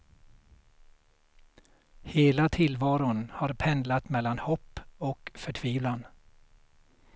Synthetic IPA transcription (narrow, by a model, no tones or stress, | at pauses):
heːlat̪ʰɪlvɑːɾʊnhaɾpʰɛnd̪lat̪mɛlːanhɔpːɔkfœʈʰviːvlan